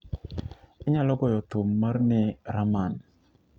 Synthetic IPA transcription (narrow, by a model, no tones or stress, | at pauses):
ɪɲalɔɡɔjɔt̪omːarnɛɾaman